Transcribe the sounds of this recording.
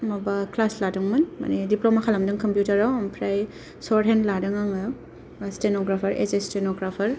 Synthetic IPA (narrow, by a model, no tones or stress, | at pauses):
mabaklasladɯŋmɯnma̰nidiplomakʰalamdɯŋkɐmpjutɐɾawmpʰɾaj | sɔɾɦendladɯŋaŋ | stenoɡɾapʰɐɾḛsestenoɡɾapʰɐɾ